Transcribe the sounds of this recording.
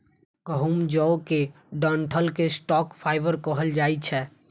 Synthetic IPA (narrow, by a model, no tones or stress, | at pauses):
kəɦumd͡ʒɔoke | ɖəɳʈʰəlkesʈɔkpʰaɪbəɾkəɦəld͡ʒajt͡ʃʰɛ